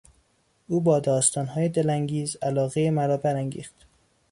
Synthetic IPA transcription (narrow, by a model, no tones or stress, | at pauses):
ʔuːbɒːd̪ɒːst̪ɒːnɦɒːjed̪elæŋɡiːzælɒːɣejemæɾɒːbæɾæŋɟḭːxt̪